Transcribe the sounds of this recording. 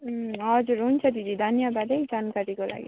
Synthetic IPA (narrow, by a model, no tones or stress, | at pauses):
ɦʌd͡zuɾɦunt͡sʰʌd̪id̪ʱid̪ʱʌnjʌbad̪ʌjd͡zankaɾikola̰ɡḭ